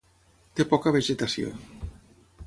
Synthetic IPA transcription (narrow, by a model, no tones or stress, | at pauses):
t̪epɔkɐβeʒet̪asjo̰